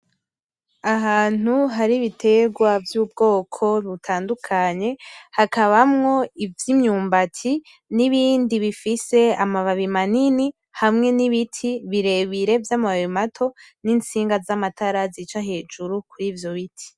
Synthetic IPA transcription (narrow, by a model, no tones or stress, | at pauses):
aɦaːn̥uɦaɾiβitʰe̞ɡwavjuːb̚ɡo̞ːkʰo̞βutʰaːndukʰaɲe̞hakaβamŋo̞ivjimɲuːmbatʰi | niβiːndiβifise̞amaβaβimanini | hamŋe̞niβitʰiβiɾe̞βiɾe̞vjamaβaβimatʰo̞nint͡siːŋɡazamatʰaɾazit͡ʃaɦe̞ːd͡ʒuɾukuɾiːvjo̞βitʰi̥